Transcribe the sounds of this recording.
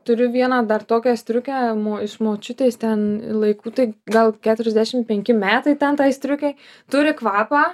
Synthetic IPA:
t̪ʊɾʲʊʋʲiɛnɑːd̪ɐrt̪oːkʲɛsʲt̪ʲɾʲʊkʲæːmoːɪʃmoːt͡ʃʲʊt̪ʲeːst̪ʲɛnlˠɐɪkuːt̪ɐɪɡɐlˠkʲæːt̪ʊɾʲɛzʲd̪ʲæʃʲɪmpʲɛŋʲkʲɪmʲæːt̪ɐɪt̪ʲɛnt̪ɐɪsʲt̪ʲɾʲʊkʲɛɪ | t̪ʊɾʲɪkʋɑːpɑː

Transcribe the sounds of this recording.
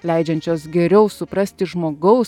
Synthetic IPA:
lʲɛɪd͡ʒʲɛnʲt͡ʃʲoːsɡʲɛɾʲɛʊsʊpɾɐsʲt̪ʲɪʒmoːɡɐʊs

